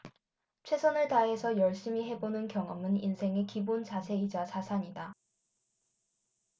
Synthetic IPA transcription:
t͡ɕʰwe̞sʰʌnɯɭtaɦe̞sʰʌjʌɭɕ͈imiɦe̞bonɯnkjʌŋʌmɯninsʰe̞ŋe̞kibont͡ɕasʰe̞id͡ʑat͡ɕasʰaɲida

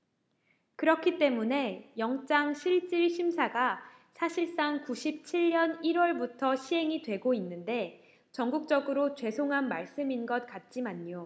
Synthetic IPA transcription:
kɯɾʌkʰit͈e̞mune̞jʌŋt͡ɕ͈aŋɕʰiɭt͡ɕ͈iɭɕʰimsʰaɡa | sʰaɕʰiɭs͈aŋkuɕʰip̚t͡ɕʰiɭːʌniɾwʌɭbutʰʌɕʰiɦe̞ŋitwe̞ɡoinːɯnde̞ | t͡ɕʌŋɡuk̚t͡ɕ͈ʌɡɯɾot͡ɕwe̞sʰoŋɦanmaɭs͈ɯminɡʌt̚k͈at̚t͡ɕ͈imaɲːo

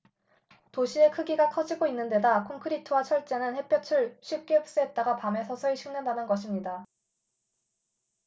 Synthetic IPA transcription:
toɕʰie̞kʰɯɡiɡakʰʌd͡ʑiɡoinːɯnde̞dakʰoŋkʰɯɾitʰɯwat͡ɕʰʌɭt͡ɕ͈e̞nɯnhe̞pʰjʌt͡ɕʰuɭɕʰɥip̚k͈eɯp̚s͈ɯɦet̚t͈aɡapame̞sʰʌsʰʌiɕʰiŋnendanɯnɡʌɕʰimɲida

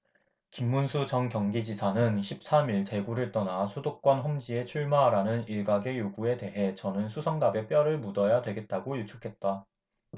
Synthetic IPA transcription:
kimːunsʰud͡ʑʌnkjʌŋɡid͡ʑisʰanɯnɕʰip̚s͈amiɭte̞ɡuɾɯɭt͈ʌnasʰodok̚k͈wʌnɦʌmd͡ʑie̞t͡ɕʰuɭmaɾanɯniɭɡaɡe̞joɡue̞de̞ɦe̞t͡ɕʌnɯnsʰusʰʌŋdabe̞p͈jʌɾɯɭmudʌjadwe̞ɡe̞t̚t͈aɡojut͡ɕʰu̥kʰe̞t̚t͈a

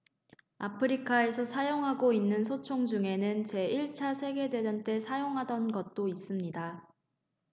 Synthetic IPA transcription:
apʰɯɾikʰae̞sʰʌsʰajoŋɦaɡoinːɯnsʰot͡ɕʰoŋd͡ʑuŋe̞nɯnt͡ɕe̞iɭt͡ɕʰasʰe̞ɡe̞de̞d͡ʑʌnt͈e̞sʰajoŋɦadʌnɡʌt̚t͈ois͈ɯmɲida

